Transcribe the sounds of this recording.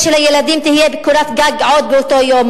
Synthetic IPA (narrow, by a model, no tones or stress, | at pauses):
ʃelhajelad̪imt̪ihijebekuɾat̪ɡaɡʕot̪̚beot̪ojom